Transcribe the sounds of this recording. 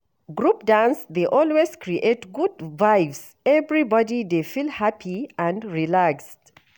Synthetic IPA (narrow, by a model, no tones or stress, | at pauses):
ɡɹup̚dãnsðeʔɔlwezkɹiʔetɡudvajvs | ɛvɹibɔdidefilhapʰiə̃ndɹilakst